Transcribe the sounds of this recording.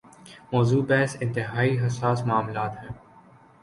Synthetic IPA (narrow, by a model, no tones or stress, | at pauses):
mɔːzuːbɛːsɪ̃nt̪ɪɦaːiɦɐsaːsmaːmlaːt̪ɦɛː